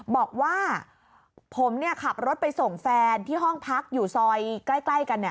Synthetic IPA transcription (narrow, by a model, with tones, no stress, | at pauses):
bɔː˨˩k̚waː˥˩ | pʰo˩˦mni˥˩ɐkʰa˨˩p̚ɾo˦˥t̪̚pa˧jso˨˩ŋfɛː˧nt̪ʰiː˥˩ɦɔ˥˩ŋpʰa˦˥k̚juː˨˩sɔː˧jkla˥˩jkla˥˩jka˧nːa˨˩